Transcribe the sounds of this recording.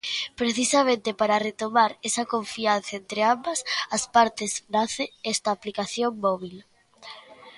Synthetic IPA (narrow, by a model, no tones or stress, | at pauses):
pɾeθisamẽnt̪epaɾɐret̪omaɾesɐkoɱfian̟θɐent̪ɾeambɐsɐspaɾt̪eznaθeɛst̪ɐːplikaθjoŋmɔβil